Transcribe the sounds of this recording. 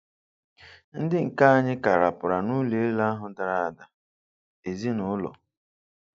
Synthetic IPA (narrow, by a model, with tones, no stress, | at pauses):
n̩˦dɪ˦ŋ̩˨ka˦a˦ɲɪ˦ka˨ɾa˨pʊ˨ɾa˨nʊ˦le˨˦la˦a˦ɦʊ˦da˨ɾa˦˨a˨da˨ | e˨zi˦nʊ˨ʊ˦lɔ̰˨